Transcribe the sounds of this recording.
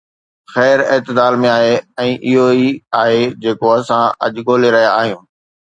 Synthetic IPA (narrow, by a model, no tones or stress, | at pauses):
xɛːɾɪːt̪ɪd̪aːlmẽaːɦeɛ̃ːʔɪɦoiaːɦed͡ʑeːkoɐsãɐ̰ʄɡʱoːleɾɐɦijaːɦijũː